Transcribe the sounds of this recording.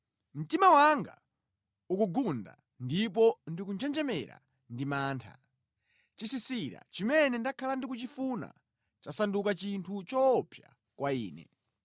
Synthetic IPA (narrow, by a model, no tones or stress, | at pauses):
m̩timawaŋɡa̰ | ukuɡunda̰ | ndip̬ɔndikunt͡ʃɛnd͡ʒɛmɛɾa̰ | ndimaːntʰa̰ | t͡ʃisisiɾa̰t͡ʃimɛnɛndakʰalandikut͡ʃifuna̰ | t͡ʃasandukat͡ʃintʰut͡ʃɔpʰja̰ | kwaiːnɛ̰